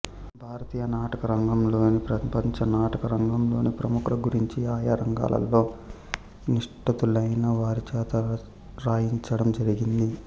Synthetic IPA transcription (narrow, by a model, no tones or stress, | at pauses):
bʱaːɾɐt̪iːjɐnaːʈɐkɐɾɐŋɡɐmlo̞ːnipɾɐpɐɲt͡ʃɐnaːʈɐkɐɾɐŋɡɐmlo̞ːnipɾɐmukɾɐɡuɾiɲt͡ʃiaːjaɾɐŋɡa̰ːlɐ̰lːo̞ː | niʂʈɐt̪ulɐjnɐʋaːɾit͡ʃɛːt̪ɐ | ɾaːjiɲt͡ʃɐɽɐmd͡ʒɐɾiɡind̪i